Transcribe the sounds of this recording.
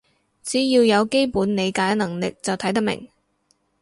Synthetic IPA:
t͡siː˨˥jiː˧wjɐ˨˧wke˥jpuː˨˥nne˨˧jkaː˨˥jnɐ˨˩ŋlɪ˨k̚t͡sɐ˨wt̪ʰɐ˨˥jt̪ɐ˥mɪ̰˨˩ŋ

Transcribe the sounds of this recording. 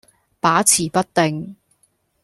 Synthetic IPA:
paː˨˥t͡sʰiː˨˩pɐ˥t̚t̪e˨ŋ

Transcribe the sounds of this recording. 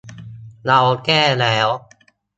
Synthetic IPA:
la˧wkɛː˥˩lɛː˦˥w

